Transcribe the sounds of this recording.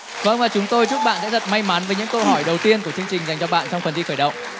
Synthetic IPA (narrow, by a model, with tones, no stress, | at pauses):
və˧nvaː˨˩t͡ɕʊ˨˦ŋ͡mt̪o˧jt͡ɕʊ˦˥k͡p̚ɓa̰ː˧˨nsɛ̰˧˥t̪ə˨˩t̚ma˧jma˨˦nvə˨˦ɲɨ̰˧˥ŋkə˧ɦɔ˧˩jɗə˨˩wt̪i˧ənku˧˩ət͡ɕi˧əŋt͡ɕï˨˩ŋza˨˩jŋ̟t͡ɕɔ˧ɓa̰ː˧˨nt͡ɕwŋ͡mfə˨˩nt̪i˧xəː˧˩jɗə̰˧˨wŋ͡m